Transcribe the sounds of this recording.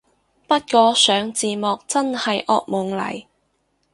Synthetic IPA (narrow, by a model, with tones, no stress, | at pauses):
pɐ˥t̚kɔː˨˧sœː˨˧ŋt͡siː˨˧mɔː˨k̚t͡sɐ˥nhɐ˨jʔɔː˧k̚mʊ˨˩ŋlɐ̰˨˩j